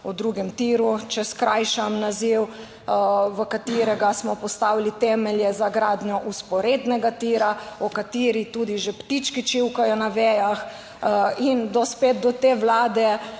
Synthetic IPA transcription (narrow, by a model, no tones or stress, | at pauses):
ud̪ɾuɡɛmt̪iːɾut͡ʃɛskɾajʃamnaziw | ʋəkat̪iːɾɛɡasmɔpɔst̪aːwilit̪ɛmɛljɛzaɡɾaːd̪njɔʔuspɔɾed̪nɛɡat̪iɾaɔkat̪iːɾit̪ud̪iʒept̪it͡ʃkit͡ʃiwkajɔnaʋɛjax | ind̪ɔspet̪̚d̪ɔt̪eːʋlaːd̪ɛ